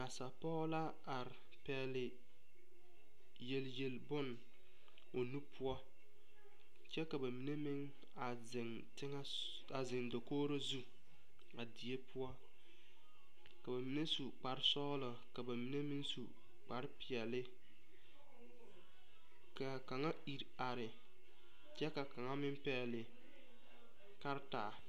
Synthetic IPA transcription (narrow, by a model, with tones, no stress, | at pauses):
a˨sa˨pɔː˦la˦ | a˨ɾɪ˨ | pɛː˨lɪ˨ | je˨lje˨lbʊ˦n | o˨nu˦pʰʊ˦ɔ˦ | t͡ʃɛ˦ka˨ba˨mi˨˦ne˦mɪ˦ŋ | a˨zɪ˨ŋ | tɪ˦ŋa˦ | a˨zɪ˨ŋdo˨koː˦ɾo˦zu˦ | a˨di˨e˦pʊ˦ɔ˦ | ka˨ba˨mi˨ne˦su˨k͡pa˨ɾɪ˦sɔ˦lɔ˨ | ka˨ba˨mi˨ne˦mɪ˦nsṵ˨ | k͡pa˨ɾɪ˦pɪ˨ɛ˨lɪ˦ | ka˨ka˨ŋa˦i˨ɾ | a˨ɾɪ˨ | t͡ʃɛ˦ka˨ka˨ŋa˦mɪ˦mpɛ˦ɛ˨lɪ˨ | ka˦ɾɪ˦taː˨